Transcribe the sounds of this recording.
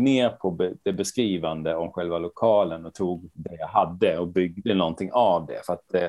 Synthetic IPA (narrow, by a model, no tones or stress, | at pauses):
neːɾpʰɔbɛd̪̥ɛbɛskɾiːvand̪əɔmɧɛlvalʊkʰɑːlənɔt̪ʰuːɡd̪ɛjaɦad̪ːəɔbʏɡd̪ənɔnt̪ʰɪŋʔavd̪ɛ̰fœɾat̪̚d̪ɛ